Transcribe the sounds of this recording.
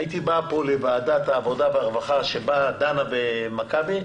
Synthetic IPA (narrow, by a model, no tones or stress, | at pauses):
it̪ibapo̞levaːd̪at̪haːvo̞d̪aveaʁvaχaʃebad̪anavemakabi